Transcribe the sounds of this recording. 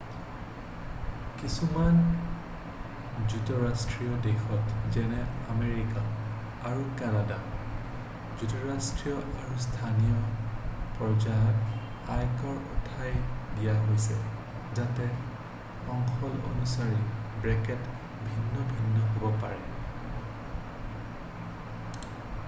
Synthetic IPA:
kisuman | zutɔɹastɹijɔdexɔtzɛnɛameɹikaː | ɹukanada | zutɔɹastɹijɔʔaɹustʰanijɔ | pɹɔd͡ʒajɔt | ajkɔɹṵpʰajdijaɦojsɛ | zatɛ | ɔŋxɔlo̰nusaɹibɹɛkɛt | bʱinːɔbʱinːɔɦobɔpaɹɛ

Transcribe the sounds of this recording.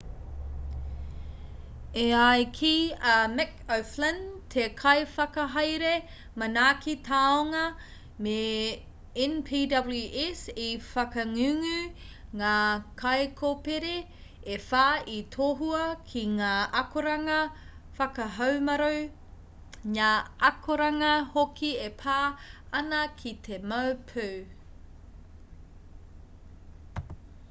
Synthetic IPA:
eajkʰiɐmɛkɐwflɐntʰekʰɐjfɐkɐɦɐjɾe | mɐnaːkʰitʰaːoŋɐ | me | ɛnpʰiːdɐbljʉʔɛsifɐkɐŋʉŋʉ | ŋaːkʰɐjkʰopeɾe | efaːit̪ʰoːɦuɐkʰiŋaːʔɐkoɾɐŋɐ | fɐkɐɦɐwmɐɾow | ŋaːʔɐkʰoɾɐŋɐhokiepʰaːɐnɐkʰit̪ʰemɐwpʰʉw

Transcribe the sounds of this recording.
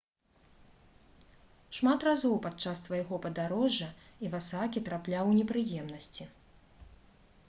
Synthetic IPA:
ʂmat̪razɔwpat̪t͡ʂassvɐjɣɔpɐd̪aɾɔʐːɐivasakʲit̪ɾaplʲawnʲɛpɾɨjɛmnɐsʲt͡sʲi

